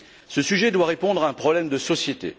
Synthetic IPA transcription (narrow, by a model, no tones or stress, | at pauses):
səsyʒɛd̪waʁepɔ̃d̪ʁaɛ̃pχɔblɛmd̪əsɔsjet̪ḛ